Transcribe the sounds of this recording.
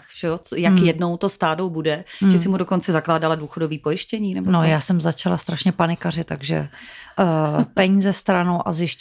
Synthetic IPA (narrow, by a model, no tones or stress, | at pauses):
xʒ̥ɛjot͡sjakjɛdno̞wt̪ost̪aːdowbudɛʒɛsɪmudokont͡sɛzaklaːdaladuːxodo̞viːpojɪʃcɛɲiːnɛbonojaːsɛmzat͡ʃalast̪ɾaʃɲɛpanɪkarɪt̪aɡʒɛ̰ | pɛɲiːzɛst̪ɾanowʔazjɪʃ